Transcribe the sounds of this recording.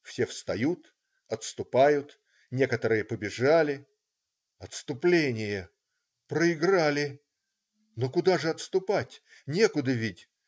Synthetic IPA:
fsʲefst̪ɐjut̪ | ɐt̪st̪ʊpajʊt̪ | nʲe̞kət̪əɾɨjəpəbʲɪʐalʲɪ | ɐt̪st̪ʊplʲenʲɪjə | pɾəɪɡɾalʲɪ | nokʊd̪aʐɨɐt̪st̪ʊpatʲ | nʲe̞kʊd̪əvʲidʲ

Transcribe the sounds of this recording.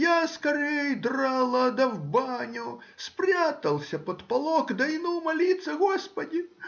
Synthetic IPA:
jaskɐɾɛjd̪ralˠɐd̪ɐwbanʲuspɾʲat̪ɐlˠsʲɐpɐt̪palˠɔkd̪ɐjnumɐlʲit̪sɐɣɔspɐd̪ʲi

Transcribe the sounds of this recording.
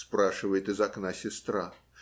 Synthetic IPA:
spɾaʂɨvəjɪt̪ɨzɐknasʲɪst̪ɾa

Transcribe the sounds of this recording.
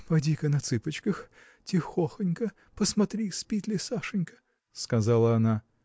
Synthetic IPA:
pɐdʲikənɐt̪sɨpət͡ɕkəx | tʲɪxoxənʲkə | pəsmɐt̪ɾʲispʲit̪ʲlʲɪsaʂɨnʲkə̥ | skɐzalˠəɐna

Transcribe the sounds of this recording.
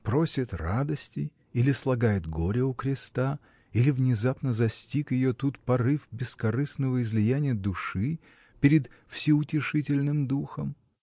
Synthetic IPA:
pɾosʲɪt̪rad̪əsʲtʲɪ | ilʲɪslˠɐɡajɪt̪ɡo̞ɾʲɪʊkɾʲɪst̪a | ilʲɪvnʲɪzapnəzɐsʲtʲikjɪjot̪ut̪pɐrɨfbʲɪskɐɾɨsnəvəɪzlʲɪjænʲɪjəd̪ʊʂɨ | pʲɪɾʲɪd̪ | fsʲɪʊtʲɪʂɨtʲɪlʲnɨmd̪uxəm

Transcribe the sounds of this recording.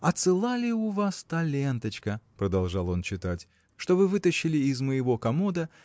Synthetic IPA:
ɐt̪sɨlˠalʲɪʊvast̪ɐlʲe̞nt̪ət͡ɕkəpɾəd̪ɐlˠʐɑlˠo̞nt͡ɕːɪt̪atʲ | ʂt̪o̞vɨvɨt̪əɕːɪlʲɪɪzməjɪvo̞kɐmod̪ə

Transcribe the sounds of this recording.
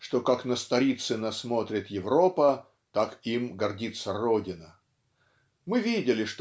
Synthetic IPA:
ʂt̪o̞kaknəst̪ɐɾʲit̪sɨnɐsmo̞t̪ɾʲɪt̪jɪvɾo̞pə | t̪akimɡɐrdʲit̪sərodʲɪnə | mɨvʲidʲɪlʲɪʂt̪

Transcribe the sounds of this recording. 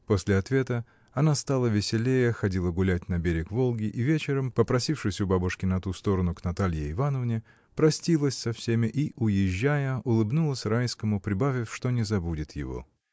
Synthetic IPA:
po̞sʲlʲɪɐt̪vʲe̞t̪ə | ɐnast̪alˠəvʲɪsʲɪlʲejəxɐdʲilˠəɡʊlʲæt̚ʲnɐbʲeɾʲɪkvo̞lˠɡʲɪʔivʲet͡ɕɪɾəmpəpɾɐsʲifʂɨsʲʊbabʊʂkʲɪnɐt̪ust̪o̞ɾənʊknɐt̪alʲjɪːvanəvnʲɪ | pɾɐsʲtʲilˠəsʲsɐfsʲemʲɪʔiʔʊjɪʑːæjəʊlˠɨbnulˠəsʲrajskəmʊpɾʲɪbavʲɪfʂt̪o̞nʲɪzɐbudʲɪt̪jɪ̰vo̞̰

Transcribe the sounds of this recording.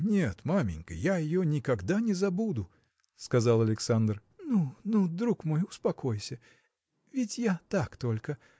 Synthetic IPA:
nʲet̪mamʲɪ̰nʲkə̰jaɪjonʲɪkɐɡd̪anʲɪzɐbud̪ʊ | skɐzalˠɐlʲɪksand̪rnunud̪ɾukmo̞jʊspɐkojsʲə | vʲɪtʲjat̪akt̪o̞lʲkə

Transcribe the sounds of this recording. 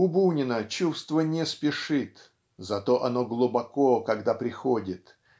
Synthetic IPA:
ʊbunʲɪnət͡ɕust̪vənʲɪspʲɪʂɨt̪ | zɐt̪o̞ʔɐno̞ɡlˠʊbɐkokɐɡd̪apɾʲɪxodʲɪt̪

